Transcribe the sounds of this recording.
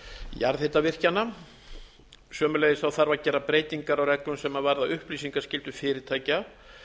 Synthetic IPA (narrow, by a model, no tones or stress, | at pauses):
jaɾðhet̪avɪr̥canːa | sœːmʏlejðɪsθawθaɾvaɾcɛːɾapɾeːjt̪iŋkaɾawrɛklʏmsɛmavaɾðaʏhpliːs̬iŋkḁscɪlt̪ʏfɪːɾɪt̪ʰaːjca